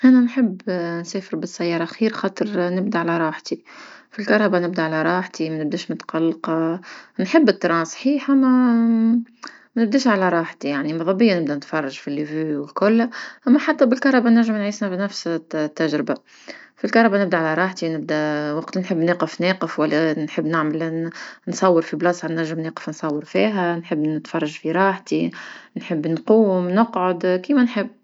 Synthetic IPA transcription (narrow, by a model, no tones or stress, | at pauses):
ʔænænħɪbːnseːfɪɾbɪsːæjːɑːɾˤɑʔxiːɾxɑːt̪ˤəɾnɪb̚d̪aʕalæɾˤɑːħt̪ifilkɑɾˤːɑbanɪb̚d̪aʕalæɾˤɑːħt̪imænɪb̚d̪eːʃmʊt̪qɑlːqɑnħɪbːɪt̪ːɾˤɑːnsˤħiːħamæ | nɪb̚d̪eːʃʕalæɾˤɑːħt̪ijaʕnimɑðˤɑbɪjːanɪb̚d̪ænt̪fɑrˤːɑʒfilːivyːwɪlkʊlːʔæmːæħat̪ːæbɪlkɑɾˤɑbænæʒːəmnʕiːsnæbnæfst̪ːæʒɾɪba | filkɑɾˤɑbanɪb̚d̪æʕalæɾˤɑːħt̪inɪb̚d̪æwɑqt̪nħɪbːneːqəfneːqəfwælːænħəbːnɪʕməlnsˤɑwːəɾfiblɑsˤɑnːæʒːɪmneːqə̥fnsˤɑwːəɾˤfiːɦænħəbːnɪt̪fɑrˤːɑʒfiɾˤɑːħt̪inħəbːnquːmnʊqʕod̪kiːmænħɪbː